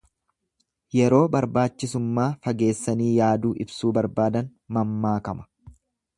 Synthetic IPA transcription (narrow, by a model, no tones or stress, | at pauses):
jɛɾo̞ːbɐɾbaːt͡ʃːɪsʊmːaːfɐɡe̞ːsːɐniːjaːd̪uːʔɪbsuːbɐɾbaːd̪ɐnmɐmːaːkɐmɐ̥